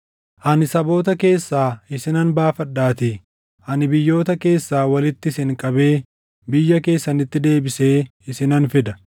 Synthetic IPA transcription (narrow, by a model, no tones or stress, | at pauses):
ʔɐnɪsɐbo̞ːt̪ɐke̞ːsːaːɪsɪnɐnbaːfɐᶑːaːt̪ɪ | ʔɐnɪbɪjːo̞ːt̪ɐke̞ːsːaːwɐlɪt̪ːɪsɪŋkʼɐbe̞ː | bɪjːɐke̞ːsːɐnɪt̪ːɪd̪e̞ːbɪse̞ːɪsɪnɐnfɪd̪ɐ